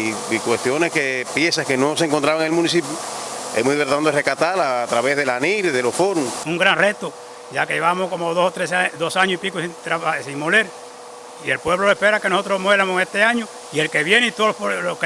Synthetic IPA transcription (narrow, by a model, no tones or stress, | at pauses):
kwe̞st̪joneskepjesahkenoseŋkont̪ɾaβaŋelmũnisipjuḛmuðeeɾt̪and̪erekat̪alat̪ɾaβezðelaniɾeðelo̞sfoɾuŋuŋɡɾaŋret̪o | ɟ͡ʝakeʝeβamohkomoðosot̪ɾesad̪o̞saɲoipikusint̪ɾaβasiŋmoleɾ | ielpwe̞βlolehpeɾakenoso̞t̪ɾosmwelamosest̪eaɲo | ielkeβjeneit̪oolok